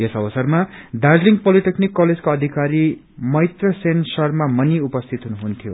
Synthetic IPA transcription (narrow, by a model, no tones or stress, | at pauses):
jesʌbʌsʌrmad̪ad͡zliŋpʌliʈeknikːʌled͡zkoʌd̪ʱikaɾi | mʌjt̪rʌsensʌrmamʌniupʌst̪ʰit̪ɦunuɦunt̪ʰjo